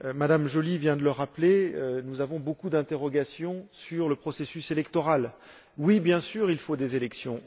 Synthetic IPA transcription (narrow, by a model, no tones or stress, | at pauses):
mad̪amʒolivjɛ̃d̪ələʁaplenuzavɔ̃bokud̪ɛ̃t̪eʁɔɡasjɔ̃syʁləpχɔsesyselɛkt̪ɔʁal | wibjɛ̃syːʁilfod̪ezelɛksjɔ̰̃